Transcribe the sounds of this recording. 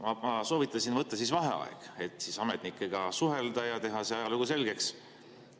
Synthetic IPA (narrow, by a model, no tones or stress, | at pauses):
mɑɑso̞ːvit̪ˑːɑsinvɤt̪ːɑsisvɑɦe̞̰ɑ̰ḛɡ̥e̞t̪ːˑsisɑmet̪nikːˑeɡ̥ɑsuɦe̞ld̪ɑjɑt̪e̞ɦɑseɑjɑluɡ̥use̞lɡ̥e̞ks